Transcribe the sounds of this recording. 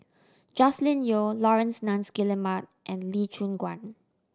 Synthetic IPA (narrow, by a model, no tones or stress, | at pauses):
d͡ʒɔslĩnjolɔɹɛ̃nsnãnsɡiləmat̚ʔɛ̃nlit͡ʃũnɡwã̰n